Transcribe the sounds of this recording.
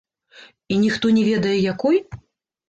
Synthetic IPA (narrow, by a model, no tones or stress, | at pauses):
inʲixt̪ɔnʲɛvʲɛd̪ɐjɛjakuj